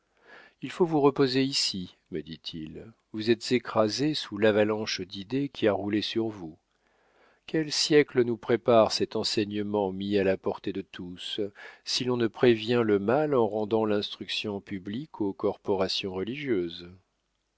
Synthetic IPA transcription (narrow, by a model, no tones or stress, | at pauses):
ilfovuʁəpozeisi | məd̪it̪ʰil | vuzɛt̪z̥ekχazesulavalɑ̃ʃd̪id̪ekʲʰiaʁulesyʁvu | kʲɛlsjɛklənupχepaʁsɛt̪ɑ̃sɛɲəmɑ̃mialapɔʁt̪ed̪ət̪ʰussilɔ̃nəpχevjɛ̃ləmalɑ̃ʁɑ̃d̪ɑ̃lɛ̃st̪χyksjɔ̃pyblikʰokɔʁpɔʁasjɔ̃ʁəliʒjøːz